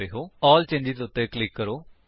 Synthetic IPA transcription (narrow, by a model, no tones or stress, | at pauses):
eːɦoːɔːlt͡ʃẽːɲd͡ʒɪt̪ʊt̪ːeːklɪkːəɾoː